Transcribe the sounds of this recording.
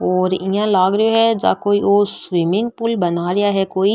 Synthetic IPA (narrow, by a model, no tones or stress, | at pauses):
ɔːɾijãlaːɡɾɪjoɦɛd͡ʒa̰ːkoːiʔoːswɪmɪ̃ŋɡ̚pʊlbɐnaːɾɪjaɦɛkoːi